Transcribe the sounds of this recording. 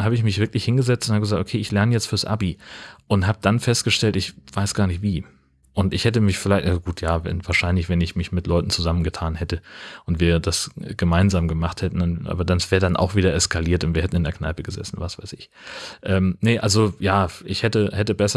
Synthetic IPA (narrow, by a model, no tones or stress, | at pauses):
haːbəɪçmɪçv̥ɪɐklɪçhɪnɡəzɛt͡stʊnthabəɡəzaːktʔo̥kʰeːʔɪçlɛɐnəjɛt͡stfyːɐsʔa̰biʔʊntɦaːbəd̥anfɛstɡ̥əʃtɛltɪçv̥aɪsɡ̥aːɐnɪçtv̥iː | ʔʊntɪçhɛtəmɪçfɪlaɪçtʔaɡ̥uːtʰjaːvɛ̰nvaːɐʃaɪnlɪçv̥ɛnɪçmɪçmɪtlɔʏtn̩t͡suzamən̩ɡətʰaːnhɛtəʔʊntv̥iːɐdasɡ̥əmaɪnzaːmɡəmaχthɛtn̩nʔa̰ːbɐdansv̥ɛːʁdanʔa̰ʊxv̥iːdɐɛskʰaliːɐtʊntviːɐhɛtn̩ɪndɛɐkna̰ɪpəɡəzɛ̰sn̩vasv̥a̰ɪsɪç | ʔɛːmnəʔalzojaːʔɪçhɛtəhɛtəbɛsɐ